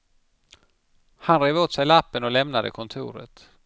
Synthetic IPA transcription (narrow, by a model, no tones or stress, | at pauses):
hanɾeːvoːt̪sɛjlapːənɔlɛmnad̪əkʰɔnt̪ʰṵːɾə̰t̪